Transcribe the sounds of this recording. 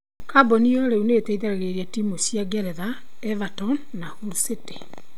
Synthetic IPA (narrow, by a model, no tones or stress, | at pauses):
kaboniɔɾeuneteiðaɾeɣeɾiɛtimoɕjaɡɛɾɛða | ɛvatɔn | nahuɾusete̥